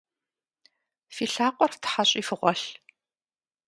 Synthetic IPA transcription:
fiːɬaːqʷʼɔrtʰħaɕʼiːfɨʁʷɔɬ

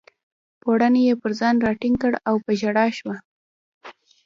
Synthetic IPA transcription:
poɽanejepəɾzɑnɾɑʈiŋkəɽawpəʒaɽɑʃwa

